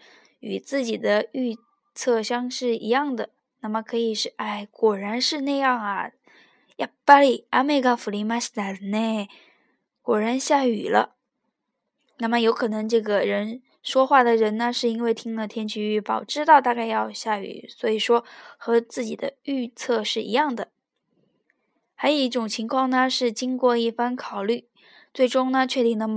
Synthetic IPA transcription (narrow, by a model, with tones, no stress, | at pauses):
y˨˩t͡sɹ̩˥˩t͡ɕi˨˩d̪ə˦y˥˧ | t͡sʰɤ˥˧ɕjɑ˥ŋʂɻ̩˥˩i˧˥jɑ˥˩ŋd̪ə˩ | na˥˩mə˩kʰɤ˧˥i˨˩ʂɻ̩˥˩a˥˩ɪkwɔ˨˩ɻa˧˥nʂɻ̩˥˧na˥˧jɑ˥˩ŋɐ˩ | ja˥˩pa˥li˥˩a˥me˥˧ɪkɑ˥fu˨˩li˧˥ma˥ɕi˥t̪a˨˩˨ne˥˩ | kwɔ˨˩ɻa˧˥nɕja˥˩y˨˩lə̰˦ | na˥˩mə˩jo˧˥ʊkʰɤ˨˩nɤ˧˥ŋʈ͡ʂɤ˥˩ɡə˩ɻə˧˥n | ʂwɔ˥xwa˥˩d̪ə˩ɻə˧˥nnə˧ʂɻ̩˥˩i˥nwe˥˩ɪt̪ʰi˥ŋlə˨t̪ʰjɛ˥nt͡ɕʰy˧˥y˥˩pɑ˨˩ʊʈ͡ʂɻ̩˥t̪ɑ˥˧ʊt̪a˥˧ka˥˧ɪjɑ˥˧ʊɕja˥˩y̰˨˩˦swɔ˧˥i˨˩ʂwɔ˥xɤ˧˥t͡sɹ̩˥˩t͡ɕi˨˩d̪ə˦y˥˧t͡sʰɤ˥˧ʂɻ̩˥˩ḭ˧˥jɑ˥˩ŋd̪ə˩ | xa˧˥ɪjo˨˩ʊi˥˩ʈ͡ʂʊ˨˩ŋt͡ɕʰi˧˥ŋkʰwɑ˥˩ŋnə˩ʂɻ̩˥˩t͡ɕi˥ŋkwɔ˥˧i˥˩fa˥nkʰɑ˨˩ʊly˥˩ | t͡swe˥˩ɪʈ͡ʂʊ˥ŋnə˨t͡ɕʰɥɛ˥˧i˥˩ŋd̪ə˧˥